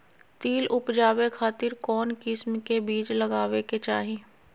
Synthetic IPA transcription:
t̪iːlʔʊpd͡ʒaːwekʰaːt̪ɪɾkɔːnkɪsmkebiːd͡ʒlɐɡaːʋeket͡ʃaːɦeː

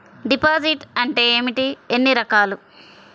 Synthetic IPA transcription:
ɖipaːziʈɐɳʈeːmiʈienːiɾɐkaːlu

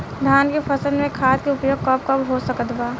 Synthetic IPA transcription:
d̪ʱjaːnkefɐsəlmẽkʰaːt̪̚keʊpjoːɡ̚kɐp̚kɐbɦosɐkət̪baː

